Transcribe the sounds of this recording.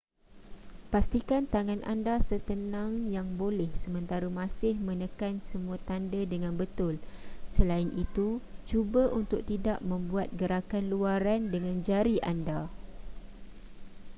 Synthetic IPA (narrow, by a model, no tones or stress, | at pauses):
past̪ikant̪aŋãnʔa̰ndasət̪ənãŋjaŋbolɛhsəmə̃nt̪aɾumãsɪhmə̃nəkansəmũat̪andədəŋãnbət̪ʊlsəlainʔit̪ut͡ʃubaʔunt̪ʊk̚t̪idaʔmə̃mbuat̪̚ɡəɾakanluaɾandəŋãnd͡ʒaɾiʔanda